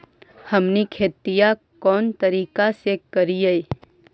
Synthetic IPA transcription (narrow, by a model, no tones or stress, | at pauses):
həmnikʰeːt̪ija | kɔːnt̪əɾiːkasekəɾiei